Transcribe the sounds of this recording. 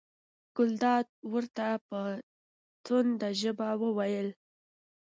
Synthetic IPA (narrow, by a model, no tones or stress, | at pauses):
ɡ̥ʊld̪ɑd̪̚wəɾt̪apə | t̪ʊnd̪aʒəbawəwajəl